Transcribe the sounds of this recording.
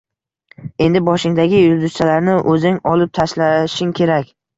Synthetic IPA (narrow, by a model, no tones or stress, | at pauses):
e̞nd̪ɪbɒʃɪŋd̪aɡʲɪjʊlˠd̪ʊst͡ʃʰalaɾnɪʔɵzɪŋɒlɪp̚t̪ʰaʃlaʃɪŋkʲʰe̞ɾakʲ